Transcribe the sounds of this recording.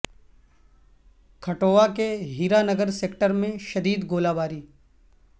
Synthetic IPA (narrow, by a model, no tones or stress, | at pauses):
kʰɐʈoːʋakeɦiːɾanɐɡəɾseːkʈəɾmẽʃɐd̪iːd̪ɡoːlaːbaːɾiː